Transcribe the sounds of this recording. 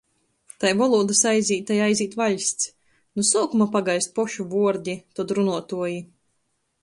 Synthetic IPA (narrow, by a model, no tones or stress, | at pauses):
t̪ajvɔlˠuːd̪ɨsajzʲiːt̪̚ːajajzʲiːt̪vaʎʲsʲt̪s | nusuːkumapaɡajst̪̚pɔʃuvuɔɾd̪ʲit̪ɔd̪ɾunuɔt̪uɔji